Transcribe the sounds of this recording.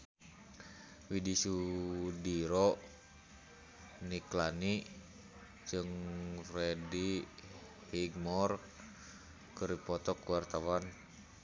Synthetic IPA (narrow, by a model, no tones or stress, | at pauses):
widisudiɾɔ | niklani | d͡ʒɨŋfrɛdi | piɡ̚mɔr | kəɾipɔt̪ɔkuwart̪awan